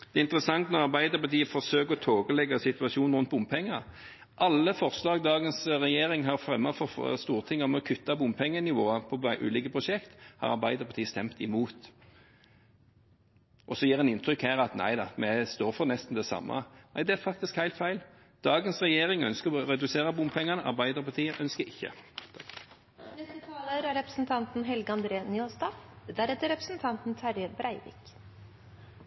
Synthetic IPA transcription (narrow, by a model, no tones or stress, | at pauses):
d̪̥ɛːɪnt̪əɾəsɑŋt̪nɔʁɑʁbæɪd̪əʁpɑt̪ʰiːəfɔʁsøːkəʁɔt̪ʰoːɡəlɛɡːɑsɪt̪ʉɑʃuːnnʁʊnt̪̚bʊmpʰɛŋːə | ʔɑlːəfɔʁslɑːɡd̪ɑːɡənsʁɛjeːɾɪŋɦɑʁfʁɛmːɑfɔst̪uːʁt̪ʰɪŋːəɔmɔkʰʉt̪ːɑbʊmpʰɛŋːənɪʋoːəpʰɔʔʉ̰ːliːkəpʰʁʊʃɛkt̪hɑ̰ʁɑ̰ʁbæɪd̪əʁpʰɑt̪iːəst̪ɛmt̪ɪmuːt̪ | ʔɔsɔjiːʁɛnɪnt̪ʰɾʏkhæːʁɑt̪næ̰ɪd̪ɑmɛst̪oːɾfɔʁnɛst̪n̩d̪ɛsɑ̰mːʔɑ̰næɪd̪ɛæɾfɑkt̪ɪskhæɪlt̪fæɪl | d̪̥ɑːɡənsʁɛjeːʁɪŋœ̰nskəɔɾɛd̪ʉseːʁəbʊmpʰɛŋːɑnəʔɑ̰ɾbæɪd̪əʁpɑʁt̪iːəʔœnskəɪçːə̰ | nɛst̪ət̪ʰɑːləɾæɾɛpɾəsn̩t̪ʰɑnt̪n̩ɦɛlɡɑnd̪ɾeːnyɔlst̪ɑfd̪æɾhɛt̪ːəɾɛpɾəsnt̪ʰɑnt̪n̩t̪ʰæɾjəbɾæɪʋɪ̰k